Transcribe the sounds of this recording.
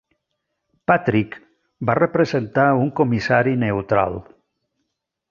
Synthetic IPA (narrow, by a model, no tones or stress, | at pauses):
pat̪ɾik | barepɾezent̪auŋkomisaɾinewt̪ɾa̰lˠ